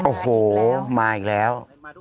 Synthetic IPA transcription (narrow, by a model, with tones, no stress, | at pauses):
ʔoː˨˩hoː˨˩˦maː˧˩i˨˩k̚lɛː˦˥w